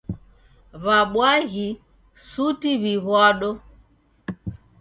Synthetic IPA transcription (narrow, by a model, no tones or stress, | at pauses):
βaɓwaɣi | sutiβiβwaɗɔ